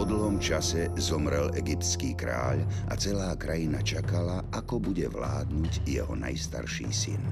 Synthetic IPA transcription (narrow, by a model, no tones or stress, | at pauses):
ɔd̪l̩ɦɔmt͡ʃasɛzɔmɾɛlɛɡipt̪t͡skiːkɾa̰ːʎʔa̰t͡sɛlaːkɾajinat͡ʃakalaʔakɔbuɟɛʋlaːd̪nuɟjɛ̰ɦɔna̰jst̪a̰ɾʃḭːsḭn